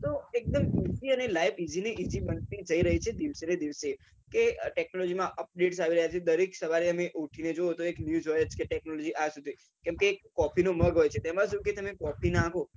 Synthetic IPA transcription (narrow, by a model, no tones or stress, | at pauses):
t̪oek̚d̪əmisiənelaibid͡ʒineʔid͡ʒibənt̪id͡ʒəiɾəɦit͡ʃʰed̪iʋsened̪iʋse | keʈɛk̚nolɔd͡ʒimãʔəp̚ɖeʈsaʋiɾəɦjat͡ʃʰed̪əɾeksəʋaɾeəmeʔuʈʰined͡ʒoot̪oeknjud͡ʒɦɔjət͡ʃkeʈɛknolɔd͡ʒiʔasud̪ʱi | kɛ̃mkekːɔpʰinoməɡɦojt͡ʃʰet̪ɛmãsũket̪əmekɔpʰinãkʰo